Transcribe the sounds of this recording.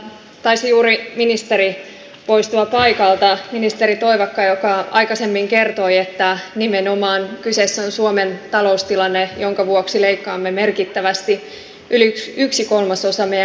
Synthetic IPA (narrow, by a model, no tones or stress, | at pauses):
t̪ɑisijuːɾiminist̪eɾi | po̞ist̪uɑpɑikɑlt̪ɑminist̪eɾit̪o̞iʋɑkːɑjokɑɑ̰jkɑsemːiŋkert̪o̞iet̪ːænimeno̞mɑːnkysesːonsuoment̪ɑlo̞ust̪ilɑnːejoŋkɑʋuoksileikːɑːmːeme̞rkit̪ːæʋæst̪i | ʔyliyksiko̞lmɑsosɑmejæ